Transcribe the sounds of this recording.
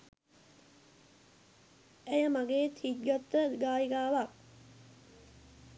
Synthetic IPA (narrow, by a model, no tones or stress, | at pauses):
æjəmaɡeːt̪ʰit̪̚ɡɔt̪ːəɡaːjiɡaːʋak̚